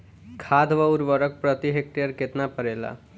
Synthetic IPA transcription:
kʰad̪ʱʋəuɾʋəɾək̚pɾət̪iɦek̚ʈejəɾket̪napəɾela̰

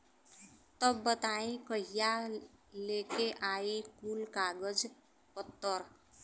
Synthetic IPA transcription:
t̪əbːət̪aĩkəɦijalekeʔaikulkaɡəd͡z | pət̪ːəɾ

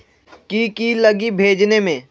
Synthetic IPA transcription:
kikilɐɡibʱeːd͡ʒnemẽː

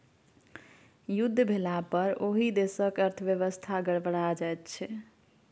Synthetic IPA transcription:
jud̪ʱːəbʱelapəɾoɦid̪esəkəɾt̪ʰəbjeβəst̪ʰaɡəɽbəɽ̃ad͡ʒajt̪t͡ʃʰɛ

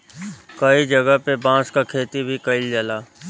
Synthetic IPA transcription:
kəid͡ʒəɡəɦpebãːskakʰeːt̪ibʱikəɪld͡ʒəlaː

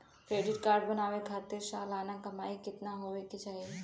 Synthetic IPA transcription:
kɾeːɖɪʈkaːɾɖbɐnaːʋekʰaːt̪ɪɾʃaːlaːnakɐmaːikɪt̪naɦoːʋekit͡ʃaːɦi

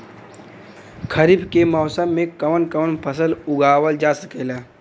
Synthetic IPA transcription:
kʰəɾibkemɔːsəmːẽkɐʋənkəʋənpʰəsəlʊɡaːwəld͡ʒaːsəkelaː

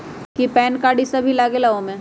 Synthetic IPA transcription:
kipɛːnkaːɽisɐbʱilaːɡelaõmẽ

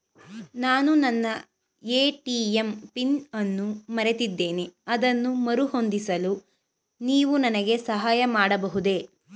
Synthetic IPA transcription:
naːnunɐnːɐ | eːʈiːempinɐnːumɐɾe̞t̪id̪ːe̞ːneɐd̪ɐnːumɐɾuho̞nd̪isɐlu | niːʋunɐnɐɡe̞sɐɦaːjɐmaːɽɐbɐɦud̪e̞

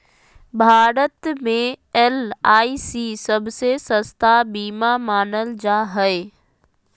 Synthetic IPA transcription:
bʱaːɾət̪mẽɛːlaːiːsisɐbʱsesɐ̃st̪abiːmamaːnəld͡ʑaːɦɛe

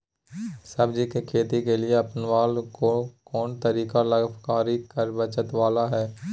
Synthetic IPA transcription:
səbd͡ʒikekʰeːt̪ikelɪeɐpənʋaːlkokɔːnt̪əɾiːkaləɡfkaːɾikəɾbət͡ʃət̪ʋaːlaɦɛː

